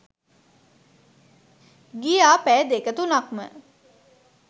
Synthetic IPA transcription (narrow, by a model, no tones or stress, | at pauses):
ɡijaːpæːd̪ekət̪unakmə̰